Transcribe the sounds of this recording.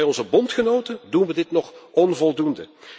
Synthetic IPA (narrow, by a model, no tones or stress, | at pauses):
jɔnzəbɔntχənowtədunʋədɪtnɔχɔnvɔlˠdundə̰